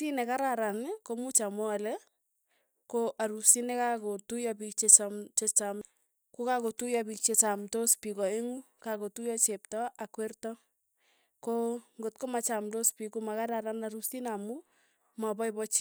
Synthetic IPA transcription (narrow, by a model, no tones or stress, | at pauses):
tinɛkaɾaɾankomut͡ʃamɔalɛ | koʔaɾusinɛkakotujabik̚t͡ʃet͡ʃat͡ʃet͡ʃam | kukakotujabik̚t͡ʃet͡ʃamtospikɔeŋu | kakotujɔt͡ʃeptɔʔakwertɔ | koŋɡot̚komat͡ʃamtospikumakaɾaɾanaɾustinamu | mabɔjbɔt͡ʃi